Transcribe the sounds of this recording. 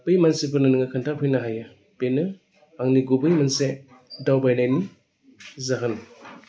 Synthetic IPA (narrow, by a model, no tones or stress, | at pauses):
pɯjmansepɯnɯnɯŋakʰɯntʰapʰɯjnaɦaja | penɯ | aŋniɡubɯjmanse | dawbajnajni | zaɦɯn